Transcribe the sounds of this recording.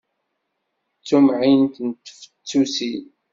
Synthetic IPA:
t͡sːumʕint̪nt̪ːfə̥t͡sːusi

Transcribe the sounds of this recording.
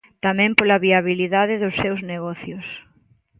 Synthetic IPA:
t̪amɛ̃mpolaβiaβiliðaðɪðʊsːewzneɣɔθjʊs

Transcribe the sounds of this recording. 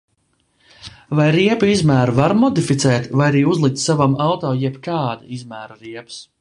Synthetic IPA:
vajɾiɛpizmæːɾuvaɾmɔd̪ifit̪sɛːt̪vajaɾiːuzlˠik̚t̪savamawt̪ɔːjɛpkaːd̪a̰izmæːɾɾiɛps

